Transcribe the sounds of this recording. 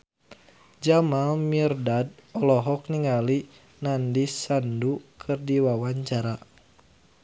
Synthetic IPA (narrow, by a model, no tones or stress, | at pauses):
d͡ʒamalmirdad̚ɔlɔɦɔk̚niŋali | nandisandukʰɨrdiwawaɲt͡ʃaɾa